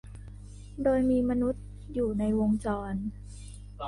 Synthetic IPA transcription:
doː˧jmiː˧ma˧nu˦˥t̪̚ | juː˨˩na˧jwo˧ŋt͡ɕɔː˧n

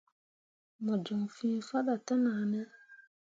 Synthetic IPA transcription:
mɔ˨d͡ʒɔ˨ŋfĩː˦fa˦da˨ta˦naː˨˦˨nɛ˦

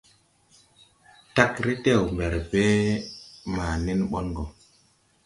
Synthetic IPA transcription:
ta˦kɾi˦te˦˨wmbe˨ɾbe˦ | ma˨ni˦nɓɔ˦nɡo˨

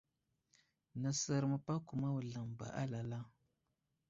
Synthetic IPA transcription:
nə˨sə˨ɾmə˨pa˦ku˨ma˦wu˨ɮa˨mba̰˨ʔa̰˦la˨la˦

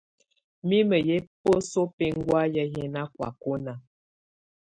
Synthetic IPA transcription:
mi˦mə˨je˦po˦so˦pe˦ŋ˦ɡwa˦jə˦jɛ˦na˦kwa̰˨ko˦na˨

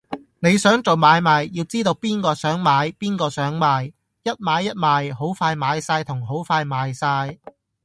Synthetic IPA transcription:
ne˨˧jsœː˨˥ŋt͡so˨wmaː˨˧jmaː˨˧jjiː˧wt͡siː˥t̪o˧wpiː˥nkɔː˧sœː˨˥ŋmaː˨˧jpiː˥nkɔː˧sœː˨˥ŋmaː˨˧j | jɐ˥t̚maː˨˧jːɐ˥t̚maː˨˧jho˨˥wfaː˧jmaː˨˧jsaː˧jt̪ʰʊ˨˩ŋɦo˨˥wfaː˧jmaː˨˧jsaː˧j

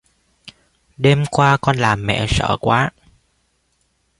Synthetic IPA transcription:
ɗe˧mkwaː˧kɔ˧nlaː˨˩mːɛ̰˧˨sə̰ː˧˩kwaː˨˦

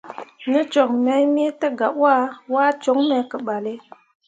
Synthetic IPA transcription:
nə˦t͡ʃo˨k̚mɛ˨˦jme˦tə˦ɡa˨pwa˦wa˦t͡ʃo˨˦ŋme˨˦kə˨ɓa˨le˦

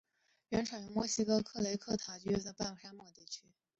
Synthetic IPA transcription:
ɥɛ˧˥nʈ͡ʂʰɑ˨˩ɛ˧˥mwɔ˥˩ɕi˥kɤ˥kʰɤ˥˩le˧˥ɪkʰɤ˥˩t̪ʰa˨˩t͡ɕy˥ɛ˥˩nə˧˩pa˥˩n˨˩ʂa˥mwɔ˥˩t̪i˥˩t͡ɕʰy˥

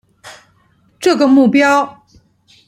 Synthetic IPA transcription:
ʈ͡ʂɤ˥˩ɡə˩mu˥˩pjɑ˥ʊ

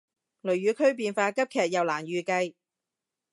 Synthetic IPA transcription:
lɵ˨˩ɥjyː˨˧kʰɵ˥ɥp̬iː˧nfaː˧kɐ˥p̚kʰɛː˨k̚jɐ˨wlaː˨˩njyː˨kɐ˧j

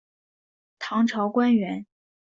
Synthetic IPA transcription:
t̪ʰɑ˧˥ŋʈ͡ʂʰɑ˧˥ʊkwa˥nɥɛ˧˥n

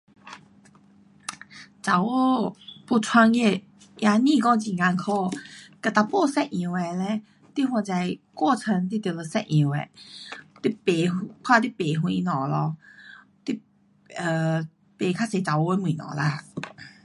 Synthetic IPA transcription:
t͡sa˨wo˥pu˧˩t͡sʰwa˧ŋe˧˩ | ʔja˧nĩ˥˧kɔ˧˥t͡ɕĩ˨˩ŋa˧ŋkʰɔ˥˧˩ka˨˩t̪a˧˩pɔ˥˧˨sɛ˥˨ʔʔĩ˧we˨˧lɛ˧˦ | t̪i˦˥ɦwa˧˩t͡sa˧˩jkwɔ˥˧˨t͡sʰə˧nt̪̬i˦˥t̪jə˨˩˨lə˧sɛ˥˧ʔ̚ĩ˧˨wḛ˨˧˨t̪i˥pe˨˩pʰwa˥˧t̪i˥˨pe˨ɦwĩ˧nɔ̃˨˩˨lɔ˧ | t̪i˦˥ | ə˨˧ | pe˨˩kʰa˦˥se˨t͡sa˨˩wo˧e˧˦mĩ˨nɔ̰̃˨la˧˨

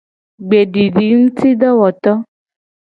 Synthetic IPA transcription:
ɡ͡be˨ɖi˨ɖi˨ŋ̩˦t̪i˦ɖɔ˦wɔ˨t̪ɔ˦

